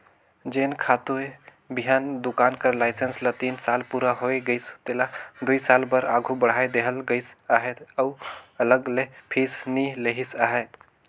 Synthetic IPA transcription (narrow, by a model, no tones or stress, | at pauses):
d͡ʒeːnkʰat̪ue | biɦaːnd̪ukaːnkəɾlaɪsenslət̪iːnsalpuɾaɦoeɡəɪst̪elad̪uisalbəɾaːɡʱubəɽ̤aed̪eɦəlɡəɪsaːɦet̪əʊələɡlepʰisnileɦisaːɦe